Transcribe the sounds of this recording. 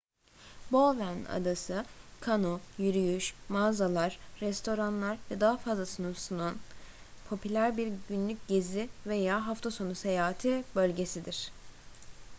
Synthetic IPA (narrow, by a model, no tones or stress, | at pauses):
bovæna̰d̪asɯkʰanojyɾyjyʃmaːzalˠaɾ̥ːɛst̪ʰo̞ɾanlˠaɾvɛd̪aɦafazlˠasɯnusunun | pʰo̞pʰylʲæɾbiɾɟynlʲycɟe̞zivejaːɦaft̪ʰaso̞nuse̞jaːɦat̪ʰibø̞lʲɟe̞sid̪iɾ̝̥